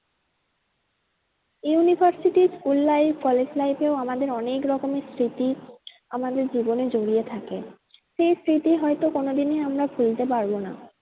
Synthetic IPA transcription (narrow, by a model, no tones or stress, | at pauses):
junibʱaɾsiʈiskulːajbkɔled͡ʑlajpeoamad̪eɾɔnekɾɔkomest̪ɾit̪i | amad̪eɾd͡ʑiboned͡ʑoɾiet̪ʰake | ʃejst̪ɾit̪iɦɔjt̪okonod̪ineamɾabʱult̪epaɾbona̰